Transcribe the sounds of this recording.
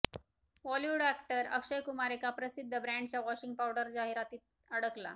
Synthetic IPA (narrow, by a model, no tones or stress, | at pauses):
ʋɔljuɖækʈəɾə̰kʂəjkumaɾekapɾəsid̪ʱːəbɾæ̃ɳɖt͡ɕjaʋɔɕiŋɡpawɽəɾd͡zaɦiɾat̪iːt̪̚ | əɽəkla̰